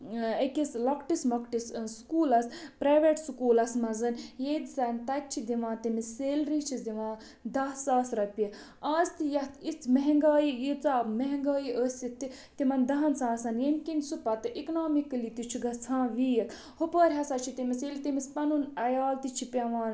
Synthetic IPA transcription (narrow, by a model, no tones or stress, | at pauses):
ɐkʲislɐkʈismɐkʈisskuːlɐspɾaːʋeʈsukuːlɐsmɐzɐnjeːd̪isɐnt̪ɐk̚t͡ʃʰid̪iʋãːt̪imiseːlɾit͡ʃʰizd̪iʋãː | d̪ɐsaːsɾɐpʲi | aːzt̪ijɐht̪it͡smɐɦŋɡaːjijit͡saːmɐɦẽŋɡaːjiʔəsʲit̪i | t̪imɐnd̪ɐɦɐnsãːsɐnjemkinsupɐt̪ɨʔiknoːmikəlit̪it͡ʃʰiɡɐt͡sʰãːʋiːjɐk | hupəːɾʲɦɐsɐt͡ʃʰit̪imiseːlit̪imispɐnunɐjaːlt̪it͡ʃʰipʲɐʋaːn